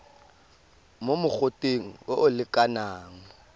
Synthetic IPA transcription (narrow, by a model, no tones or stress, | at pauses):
momʊk͡xʊtʼeŋ̩ʊʔʊlɪkʼanaːŋ̩